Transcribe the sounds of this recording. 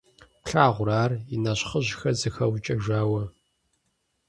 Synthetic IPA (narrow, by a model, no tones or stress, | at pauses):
pɬaːʁʷʊɾaːrinɐɕχəʑxɐzɨxɐwt͡ʃʼɐʒaːwɐ